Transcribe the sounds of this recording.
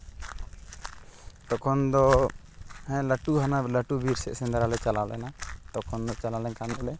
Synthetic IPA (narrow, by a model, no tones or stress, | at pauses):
t̪ɔkʰɔnd̪ɔ | hɛ̃ləʈuɦanaləʈubʱiɾsɛ̰ʔsɛnd̪aɾalɛt͡ʃalawlɛ̰nat̪ɔkʰɔnd̪ɔt͡ʃalalɛɲkanɔlɛ